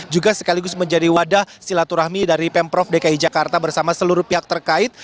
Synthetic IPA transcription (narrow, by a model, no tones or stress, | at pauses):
d͡ʒuɡasə̥kaliɡʊsməɲd͡ʒadiwadahsilat̪uɾahmidaɾipɛmpɾɔfdekaid͡ʒakart̪abərsamasəluɾʊhpiɦak̚t̪ərkaɪt̪̚